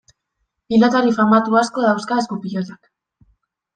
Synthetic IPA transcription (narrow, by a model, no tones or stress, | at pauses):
pilot̪aɾifamat̪uasko̞ðawskaeskupiʎot̪ak